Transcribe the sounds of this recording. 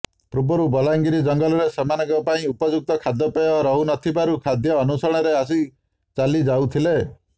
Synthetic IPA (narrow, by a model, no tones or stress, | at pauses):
pɾubɔɾubɔlaŋɡiɾid͡ʒɔŋɡɔlɔɾesemanɔɡɔpaĩupɔd͡ʒuk̚t̪ɔkʰad̪ːɔpeɔɾɔɦunɔt̪ʰibaɾukʰad̪jɔːnusɔɽ̃ɔɾeas̬i | t͡ʃalid͡ʒawt̪ʰile